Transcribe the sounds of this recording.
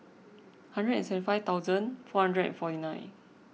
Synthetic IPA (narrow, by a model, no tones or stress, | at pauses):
hãndɹədɛ̃nsɛṽtifajvt̪aʊzə̃nfɔhãndɹəɛ̰̃nfɔtinãj̃n